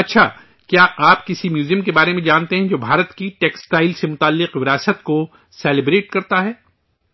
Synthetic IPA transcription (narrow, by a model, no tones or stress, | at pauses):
ɐtːʃʰaː | kjaːaːp̚kɪsimjuːzijəmkebaːɾemẽd͡ʒaːnt̪eɦɛ̃d͡ʒoːbʱaːɾət̪kiʈɛːksʈaːɪlsemʊt̪aːlːɪqʋɪɾaːsət̪ko | sɛːlɪbɾeːʈkɐɾt̪aɦɛː